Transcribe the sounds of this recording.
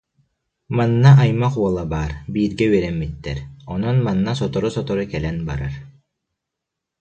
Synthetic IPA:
manːaajmaχuɔlˠabaːɾbiːɾɡɛɥɛɾɛmːit̪ːɛɾɔnɔnmanːas̬ɔt̪ɔɾusɔt̪ɔɾukɛlɛnbaɾaɾ

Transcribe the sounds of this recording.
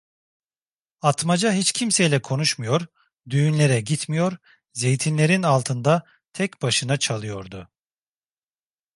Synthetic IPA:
at̪mad͡ʒaɦit͡ʃcʰimsejlʲɛkʰo̞nuʃmujo̞ɾ | d̪yjynlʲe̞ɾɛɟit̪mijo̞ɾ | ze̞jt̪ʰinlʲe̞ɾinalˠt̪ʰɯnd̪a | t̪ʰɛcbaʃɯnat͡ʃʰalˠɯjo̞ɾd̪ʊ

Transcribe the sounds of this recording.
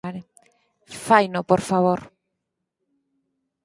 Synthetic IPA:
aɾe | fajnopoɾfaβoɾ

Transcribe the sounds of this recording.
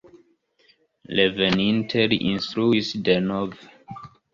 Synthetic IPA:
levɛnĩntʰɛliʔḭ̃nstɹuisdenɔv

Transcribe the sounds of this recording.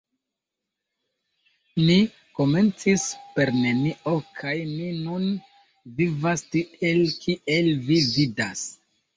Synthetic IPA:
mi | ko̞me̞nt͡sispe̞ɾneniʔo̞kʰajminun | vivastie̞lkʰiʔe̞lvividas

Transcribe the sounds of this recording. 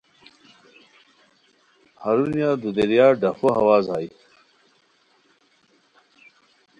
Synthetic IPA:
haɾunjaːd̪ud̪eɾjaːɖɐfoɦɐwaːzaːj

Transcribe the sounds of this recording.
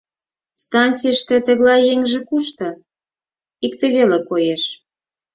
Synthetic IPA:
st̪ɑnt͡sijəʃt̪ĕt̪ə̆ɣlɑjjeŋʒĕkuʃt̪ɤ̆ | ik̚t̪eβelekojeʃ

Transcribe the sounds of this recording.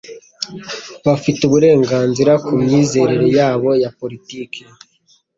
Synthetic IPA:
βafituβuɾe̞ːŋɡaːnziɾakʰumɲiːze̞ːɾeɾejaːβo̞japo̞ɾitiːke

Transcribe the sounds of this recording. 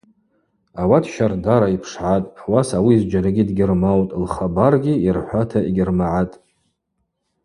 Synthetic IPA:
awatʰʃardaɾaipʰʂʕatʼwasawiːzd͡ʒaɾaɡʲidɡʲɪrmawtʼlχabarɡʲiirħʷatʰaiɡʲɪrmaʕatʼ

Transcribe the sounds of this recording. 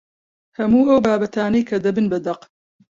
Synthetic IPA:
hɐmuːɐwbaːbɐt̪ʰaːnɐjkʰɐd̪ɐbɨnbɐd̪ɐq

